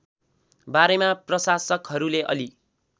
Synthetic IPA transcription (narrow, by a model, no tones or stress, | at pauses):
baɾemaprʌsasʌkɦʌɾuleʔʌ̰li